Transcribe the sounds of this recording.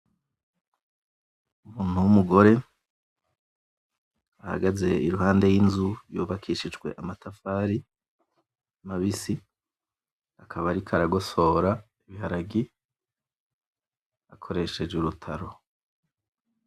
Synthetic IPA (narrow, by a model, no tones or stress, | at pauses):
umuːn̥huwumuɡo̞ɾe̞ | aha̰ɡaze̞iɾuhaːnde̞jinzujuːβakʰiʃid͡ʒɡwe̞̰ʔamatʰafaːɾi | amaβisi | akʰaβaɾikʰaɾaɡo̞so̞ːɾa | iβihaɾaɡi | akʰo̞ɾe̞ʃe̞d͡ʒuɾutʰaɾo̞